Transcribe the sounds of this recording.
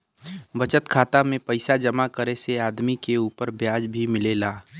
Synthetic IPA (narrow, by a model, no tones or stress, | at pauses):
bɐt͡ʃət̪kʰaːt̪amẽpɐɪsad͡ʒɐmakəɾeseaːd̪mikeuːpəɾbjaːd͡ʒbʱimɪlelaː